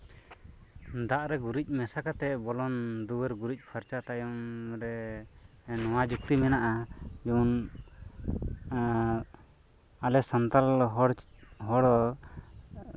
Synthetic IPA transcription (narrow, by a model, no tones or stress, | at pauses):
d̪aʔɾɛɡuɾic̚ˀmɛsakat̪ɛbɔlɔnd̪uwəɾɡuɾic̚ˀpʰaɾt͡ʃat̪ajɔmɾɛ | nɔwad͡ʒuk̚t̪imɛnaʔad͡ʒun | alɛsant̪alɦɔɽɦɔɽɔ